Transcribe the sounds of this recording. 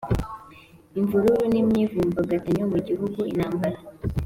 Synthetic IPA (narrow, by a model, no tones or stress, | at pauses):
iɱvuɾuɾunimɲivuːmbaɡataɲomuɟiɦuɡuḭnaːmbaɾa